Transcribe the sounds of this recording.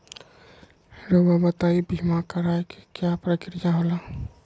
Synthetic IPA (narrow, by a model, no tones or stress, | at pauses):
ɾobabət̪aːibʱimakəɾaeki̥kjapɾəkɪɾd͡ʒaɦoːla